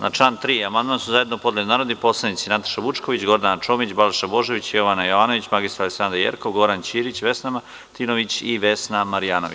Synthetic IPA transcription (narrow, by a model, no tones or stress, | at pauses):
nat͡ʃlaːnt̪ɾiːamand̪mansuzajed̪nopo̞d̪led̪naːɾod̪nipo̞ːslˠanit̪sinat̪ḁʃaʋut͡ʃko̞ʋit͡ɕɡo̞ɾd̪ant͡ʃo̞ːmit͡ɕbalʃabo̞ʒeʋit͡ɕijo̞ʋanajoʋaːno̞ʋit͡ɕmaɡist̪ɾaleksand̪ɾajḛɾko̞ʋɡo̞ɾant͡ɕiːɾit͡ɕʋe̞snama | t̪inoʋit͡ɕiʋe̞snamaɾijaːnoʋi